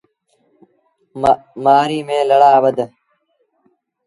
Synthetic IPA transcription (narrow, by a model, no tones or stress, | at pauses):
maːɾiːmẽːləɽaːbəd̪